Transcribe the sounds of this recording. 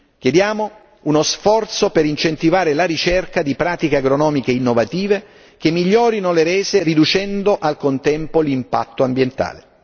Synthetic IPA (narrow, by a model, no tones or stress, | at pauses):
k̟jed̪jaːmo | unosfɔrt̪sopeɾint͡ʃent̪ivaːɾelaɾit͡ʃɛrkad̪ipɾaːt̪ikeaɡɾonɔːmikeinːovat̪iːve | kemːiʎːɔːɾinoleɾɛːzerid̪ut͡ʃɛnd̪oʔalkont̪ɛmpolimpa̰t̪ːoambjent̪a̰ːle